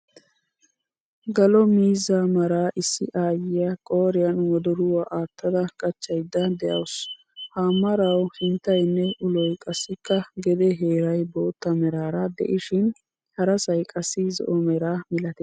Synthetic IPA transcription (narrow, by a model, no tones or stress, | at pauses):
ɡɐlɔmiːzaːmɐɾaːʔɪsːɪʔaːjɪjɐkʼoːɾɪjɐnwɔd̪ɔɾʊwaːʔaːt̪ːɐd̪ɐkʼɐt͡ʃːɐjd̪ːɐd̪ɛjɐ̰ws | haːmːɐɾɐwhɪnt̪ːɐjnːɛʔʊlɔjkʼɐsːɪkːɐɡɛd̪ɛɦeːɾɐjboːt̪ːɐmɛɾaːɾɐd̪ɛ̰ʔɪʃɪn | hɐɾɐsɐjkʼɐsːɪzɔ̰ʔɔmɛɾaːmɪlɐt̪ɛ